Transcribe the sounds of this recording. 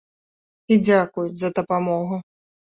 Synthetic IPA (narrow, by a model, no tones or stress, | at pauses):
id͡zʲakujuzɐd̪ɐpamɔɣu